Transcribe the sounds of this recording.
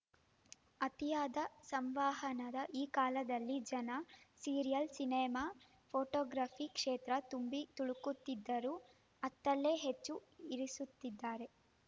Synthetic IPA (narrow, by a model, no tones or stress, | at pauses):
ɐt̪ijaːd̪ɐsɐmʋaːɦɐnɐd̪ɐʔiːkaːlɐd̪ɐlːid͡ʒɐnɐsiːɾijɐlsineːmaː | pʰoːʈɔːɡɾaːpʰikʂeːt̪ɾɐt̪umbit̪uɭukut̪ːid̪ːɐɾuː | ɐt̪ːɐlːe̞ːɦet͡ʃːuiɾisut̪ːid̪ːaːɾe̞